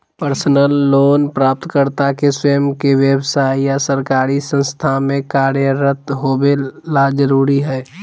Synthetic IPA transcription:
pəɾsənəlːoːnpɾaːp̚t̪kəɾt̪akeswəəmkeʋjəbsaːijasəɾkaːɾisə̃nst̪ʰamẽkaːɾjəɾət̪ɦoːbelad͡ʒəɾuːɾiɦɛː

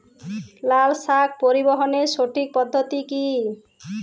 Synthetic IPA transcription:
lalsak̚ʰpoɾibɔɦɔnesoʈik̚pɔd̪ʱːɔt̪iki

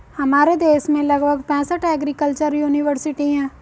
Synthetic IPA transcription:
hɐmaːɾed̪eːʃmẽlɐɡbʱəɡpɛ̃ːsəʈʰɛːɡɾikəlt͡ʃəɾjuːnɪʋəɾsɪʈiɦɛ̃ː

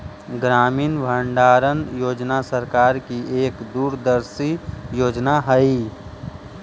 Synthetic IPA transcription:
ɡɾaːmiːnbʱəɳɖaːɾənjoːd͡ʒnasəɾkaːɾkieːkd̪uːɾd̪əɾsijoːd͡ʒnaɦəi

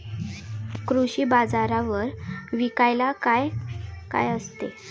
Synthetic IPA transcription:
kɾuɕiːbad͡zaɾaʋəɾʋikajlakajka̰jəst̪e

